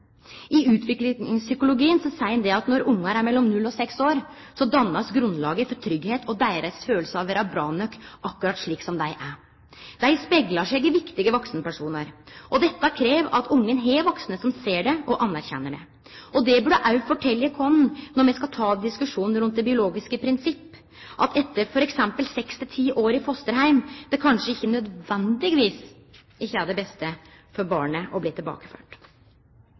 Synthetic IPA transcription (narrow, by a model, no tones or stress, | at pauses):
ʔɪʉːt̪ʰʋɪklɪɪŋsʏkʊlʊɡiːənsɔsæɪnd̪ɛɑt̪nɔɾʊŋːɑɾæɾmɛlːɔmnʉlːɔsɛksoːɾ | sɔd̪ɑnːɑsɡɾʉnlɑːɡəfɔɾt̪ʰɾʏɡheːt̪ɔd̪æɪɾɾəsføːlsəɑʋeːɾɑbɾɑːnœkʔɑkːʉɾɑt̪ʂɭiːksɔmd̪æɪʔæ | d̪̥æɪspɛɡlɑʂɛɡɪʋɪkt̪ɪɡəʋɔksnəpæʂuːnəɾʔɔd̪ɛt̪ːɑkʰɾeːʋɑt̪ʰʊŋːənɦɛʋɔksnəsɔmseːɖɛɔʔɑnːæɾçɛ̰nːəɖɛ̰ | ʔɔd̪ɛbʉɖəʔɑʉfɔʈʰɛlːəkʰɔnnɔɾmɛɪskɑt̪ʰɑːd̪ɪskʉʂuːnn̩ɾʉnt̪̚d̪ɛbɪʊloːɡɪskəpʰɾɪnsɪpː | ʔɑt̪ʰɛt̪ːəɾfɔɾɛksɛmpəlsɛkst̪ɪt̪ʰiːʔoːɾɪfɔst̪əɾɦæɪmd̪ɛkʰɑnʂəɪçːənœd̪ʋɛnd̪ɪɡʋiːs | ɪçæːd̪ɛəbɛst̪ə | fɔɾbɑ̰ːɳəʔɔbliːt̪ʰɪlbɑ̰ːkə̥fø̰ːʈ